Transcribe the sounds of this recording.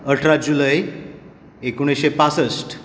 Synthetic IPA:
əʈʰɾad͡ʑuləj | ekoɽ̃isɕepasəsʈ

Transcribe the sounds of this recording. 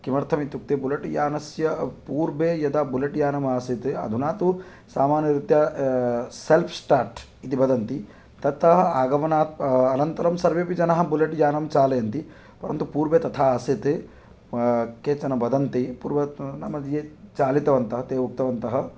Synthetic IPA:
kimɐɾt̪ʰɐmit̪uk̚t̪eːbulɐʈjaːnɐsjɐpuːɾbeːjɐd̪abulɐʈjaːnɐmaːsit̪eɐ̰d̪ʱunaːt̪u | saːmaːnjɐɾit̪jɐ | selpʰsʈaːɾʈ | it̪ibɐd̪ɐnt̪i | t̪ɐt̪ɐɦɐaːɡɐmɐnaːt̪̚ɐnɐnt̪ɐɾɐmsɐɾʋeːpid͡ʒɐnɐɦɐ̆buleʈjaːnɐmt͡ʃaːlejɐnt̪i | pɐɾɐ̰nt̪upuːɾbeːt̪ɐt̪ʰaːaːsit̪e | keːt͡ʃɐnɐbɐd̪ɐnt̪ipuːɾbɐnɐmɐd̪ʱjeːt͡ʃaːlit̪ɐʋɐnt̪ɐɦɐt̪eːʋuk̚t̪ɐʋɐnt̪ɐɦɐ

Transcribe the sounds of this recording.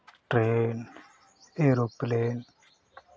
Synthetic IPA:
ʈɾen | eɾopleːn

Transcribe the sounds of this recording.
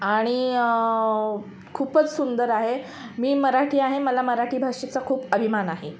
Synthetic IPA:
aɽ̃i | kʰuːpət͡ssund̪əɾaɦe | miːməɾaʈʰiːaɦeməlaməɾaʈʰiːbʱaʂet͡sakʰuːpəbʱimanaɦe

